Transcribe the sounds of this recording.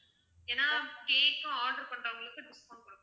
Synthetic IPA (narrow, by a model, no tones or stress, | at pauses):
eːnːaːkeːkːʊ̃aːɾɖɐɾpɐɳɖɾɐʋʊŋɡɐɭɯkːɯɖɪspoːnkɔɽɯkː